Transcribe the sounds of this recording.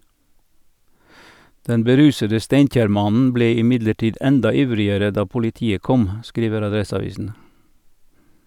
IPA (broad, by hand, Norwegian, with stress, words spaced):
ˈdɛn bəˈɾʉːsədə ˈsteɪnˌc͡çæːɾˌmɑnn̩ ˈbleː ɪˈmɪdləˌʈiːd ˈɛndɑ ˈɪʋɾɪəɾə ˈdɑː pʊlɪˈtiːə ˈkɔm ˈskɾiːʋəɾ ɑˈdɾɛsɑˌʋiːsn̩